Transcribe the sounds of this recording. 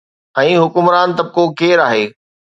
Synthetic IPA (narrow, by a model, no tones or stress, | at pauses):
ɛ̃ːɦʊkʊmɾaːnt̪ɐb̚kokeːɾaːɦeː